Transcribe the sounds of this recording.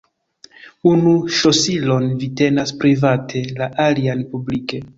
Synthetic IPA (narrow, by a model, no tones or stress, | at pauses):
unuʃosilo̞nvite̞naspɾivatʰe̞laʔalianpublike̞